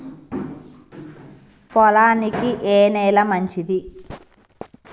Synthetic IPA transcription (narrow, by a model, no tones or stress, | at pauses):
pɔlaːnikiʔeːnɛːlɐmɐɲt͡ʃid̪i